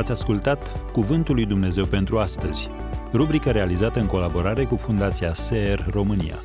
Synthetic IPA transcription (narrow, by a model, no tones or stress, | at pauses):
at̪sʲaskult̪at̪kuvɨnt̪ulːujd̪umne̞ze̞wpe̞nt̪ɾuast̪əz̥ʲ | rubɾikəɾe̞alizat̪əɨŋko̞labo̞ɾaɾe̞kufund̪at̪siaseerro̞mɨnḭa̰